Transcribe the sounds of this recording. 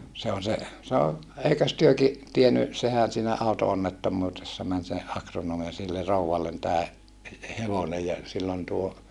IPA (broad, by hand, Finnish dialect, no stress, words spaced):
se on̞ se sɑno eikøs tyøki tieny sehæn̞ siːnæ ɑˑutoonːetːomːuːtesːɑ mæn se ɑkronoːm jɑ silːe rouwɑlːen tæː he heʋonej jɑ silː on tuo